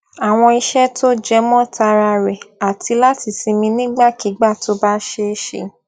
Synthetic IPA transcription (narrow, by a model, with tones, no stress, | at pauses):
a˨w̃ɔ̃˧i˧ʃɛ˦tʰo˦d͡ʒɛ˦mɔ̃˦ta˧ɾa˧ɾɛ˨a˨ti˧la˦ti˦˨si˧mĩ˧nĩ˦ɡ͡ba˦˨ki˨˦ɡ͡ba˦˨to˦ba˦ʃe˧ʃḛ˨